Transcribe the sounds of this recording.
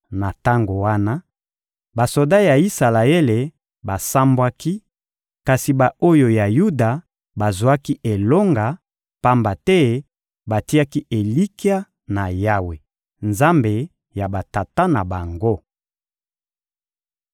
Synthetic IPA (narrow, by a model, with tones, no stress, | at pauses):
na˨ta˦ŋɡo˨wa˦na˦ | ba˨so˨da˦ja˨i˦sa˨la˨e˦le˨ | ba˨sa˦mbwa˦ki˦ | ka˨si˨ba˨o˦jo˨ja˨ju˦da˨ | ba˨zu˨a˦ki˦ʔe˨lo˦ŋɡa˨ | pa˦mba˨tɛ˦ | ba˨ti˦a˦ki˦ʔe˨li˦ki˦a˦ | na˨ja˦we˨ | nza˦mbe˨ | ja˨ba˨ta˨ta˦na˨ba˨ŋɡo˦